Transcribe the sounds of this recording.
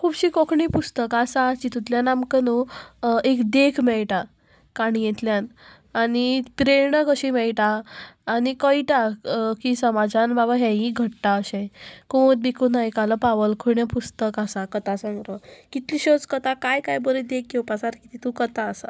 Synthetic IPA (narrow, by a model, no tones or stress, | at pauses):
kʰuːbɕiːkokʰɳipust̪əkasaːt͡ɕit̪ut̪ljanamkənoekd̪ekʰmɛɭʈa | kaɽ̃ijɛt̪ljan | anipɾeɾɳəkəɕimɛɭʈaː | nikəiʈakisəmad͡zanbabaɦɛ̃ɦĩɡʱəʈʈaəɕɛ̃koot̪̚bikunajkaləpaʋəlkʰuɭɳjapust̪əkasakət̪asə̃ŋɡɾəkit̪liɕət͡skət̪akajkajbəɾid̪ek̚ɡewpasaɾkit̪ʰit̪ukət̪aːsa̰